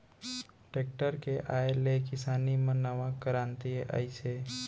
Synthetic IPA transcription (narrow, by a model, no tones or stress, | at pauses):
ʈek̚ʈəɾkeʔaelekɪsanimə̃nəʋãkəɾãnt̪ieʔa̰it͡ʃʰe